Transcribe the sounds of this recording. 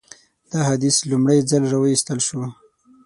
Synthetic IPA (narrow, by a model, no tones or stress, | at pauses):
d̪̥ɑɦad̪islumɽajzalɾawəist̪əlʃu